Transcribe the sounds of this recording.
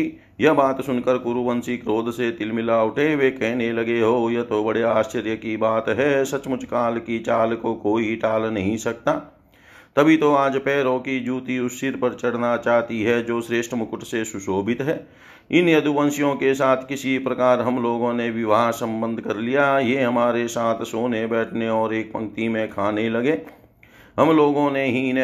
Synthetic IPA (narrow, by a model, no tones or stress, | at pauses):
jɐbaːt̪sʊnkəɾkʊɾuʋənsikɾoːd̪ʱset̪ɪlmɪlaːʊʈẽʋekɛɦnelɐɡeɦoːjɐt̪obɐɽeaːst͡ʃəɾjəkibaːt̪ɦɛsɐt͡ʃmʊt͡ʃkaːlkit͡ʃaːlkokoːiʈaːlnɐɦĩsɐk̚t̪aː | t̪ɐbʱit̪oaːd͡ʒpɛːɾõkid͡ʒuːt̪iʊsɪɾpəɾt͡ʃɐɽnat͡ʃaːɦt̪iɦɛd͡ʒoːʃɾeːʃʈɾəmʊkʊʈʰsesʊsoːbɪt̪ɦɛː | ɪnjɐd̪uʋə̃nsjõkesaːt̪ʰkɪsipɾɐkaːɾɦɐmloːɡõneʋɪʋaːɦsə̃mbə̃nd̪ʱkɐɾlijajeɦɐmaːɾesaːt̪ʰsoːnebɛːʈʰneɔːɾeːk̚pə̃ŋk̚t̪imẽkʰaːnelɐɡeː | ɦɐmloːɡõneɦin